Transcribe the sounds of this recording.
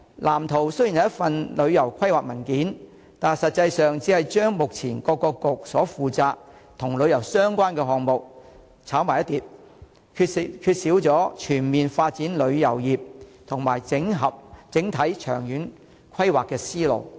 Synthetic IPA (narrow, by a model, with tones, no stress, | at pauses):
lʔaː˨˩mt̪ʰo˨˩wsɵ˥jnhɐ˨jɐ˥fɐ˨nlɵ˨˧ɥjɐ˨˩wkʷʰɐ˥jwaː˨k̚mɐ˨˩nkiː˨˥n | t̪aː˨sɐ˨t̚t͡sɐ˧jsœː˨ŋt͡siː˨˥hɐ˨jt͡ʃœː˥ŋmʊ˨k̚t͡sʰiː˨˩nkɔː˧kːɔː˧kʊ˨k̚sɔ̰ː˨˥fuː˨t͡saː˧k̚ | t̪ʰʊ˨˩ŋlɵ˨˧ɥjɐ˨˩wsœː˥ŋkʷaː˥nkɛː˧ɦɔː˨ŋmo˨k̚ | t͡sʰaː˨˥wmaː˨˩jɐ˥t̪iː˨˧p̚ | kʰːkʰyː˧t̚siː˨˥wt͡sɔː˨˥t͡ʃʰyː˨˩nmiː˨nfaː˧t̚t͡siː˨˥nlɵ˨˧ɥjɐ˨˩wjiː˨p̚t̪ʰʊ˨˩ŋmaː˨˩jɪ˨˥ŋɦɐ˨p̚t͡sɪ˨˥ŋt̪ʰɐ˨˥jt͡ʃʰœ̰ː˨˩ŋjyː˨˥n | kʷʰɐ˥jwaː˨kːɛː˧siː˥lo̰˨˩w